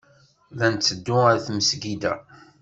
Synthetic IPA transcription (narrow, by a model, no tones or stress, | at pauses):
ðænt͡sːəd̪ːʊəɾθməsɡid̪æ